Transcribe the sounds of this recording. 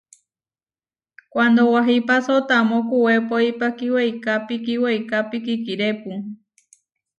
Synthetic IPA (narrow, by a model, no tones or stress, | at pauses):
kʷand̪owaɦipasot̪amõkuwepoipakiwejkapikiwejkapikikiɾepu